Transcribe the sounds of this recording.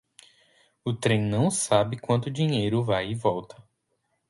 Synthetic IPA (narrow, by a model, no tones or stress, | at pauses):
ʊt̪ɾẽj̃nɐ̃w̃sabɪkwɐ̃nt̪ʊd͡ʒiɲejɾʊvajɪvɔwt̪ɐ̥